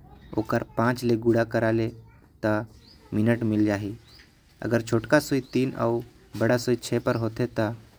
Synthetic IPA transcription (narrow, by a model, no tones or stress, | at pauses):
o̰ːkəɾpãːt͡ʃleɡuɽakəɾale | t̪a | mɪnəʈmɪld͡ʒaːɦi | ə̰ɡəɾt͡ʃʰoːʈkasoit̪iːna̰ | bəɽasoit͡ʃʰeːpəɾɦoːt̪et̪a